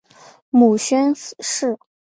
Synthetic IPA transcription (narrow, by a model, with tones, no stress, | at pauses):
mu˨˩ɕɥɛ˥nʂɻ̩˥˩